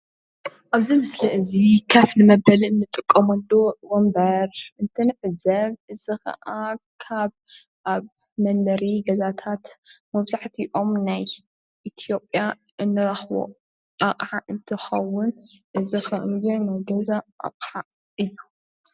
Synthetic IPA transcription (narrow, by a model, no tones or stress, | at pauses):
ʔaβzimɨsliʔɨzikʰɐfnɨmɐbɐlɨnːɨt̪ʼɨkʼːɐmɐlːowombɐɾɨnt̪ʰɨnɨħzɐβʔɨzixɐ̰ʔakʰaβ | ʔaβ | mɐnːɐɾiɡɐzat̪ʰat̪mɐβzaħt̪ʰiʔo̞mnaj | ʔit̪ʰijo̞pʼja | ʔɨnːɨɾɐxβo̰ | ʔaqʼħaʔɨnt̪ʰɨxɐwʊnʔɨzixɐʔmɡɨnajɡɐzaʔa̰qʼħa | ʔɨlu